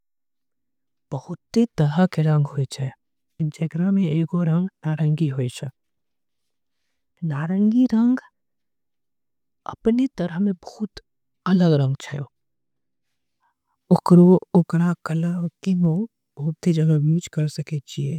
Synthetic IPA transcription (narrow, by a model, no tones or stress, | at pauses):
b̥ɐhʊt̪ːit̪ɐɾəkeɾɐ̃ŋɡɦoet͡ʃʰɛ | d͡ʒeɡɾamẽeːɡoɾɐ̃ŋɡnaːɾə̃ŋɡiɦoːet͡ʃʰə | naːɾə̃ŋɡiɾə̃ŋɡ | ɐ̰pnit̪ɐɾəɦmẽbɐɦʊt̪ | ɐləɡɾɐ̃ŋɡt͡ʃʰajoː | ʊkɾoʊkɾakəlakino | b̥ɐɦʊt̪ːid͡ʒɐɡabiːt͡ʃkɐɾsɐket͡ʃie